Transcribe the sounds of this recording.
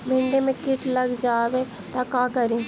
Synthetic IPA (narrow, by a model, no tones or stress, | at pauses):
bʱɪ̃ɳɖemẽkɪʈlɐɡd͡ʒaːbe | t̪akãːkɐɾi